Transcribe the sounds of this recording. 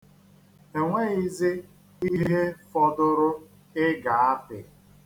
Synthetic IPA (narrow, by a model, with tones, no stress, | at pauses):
e˨ŋʷe˦i˦zɪ˦ | i˦ɦe˦fɔ˦dʊ˦ɾʊ˦ | ɪ˦ɡa˨a˦pɪ̰˨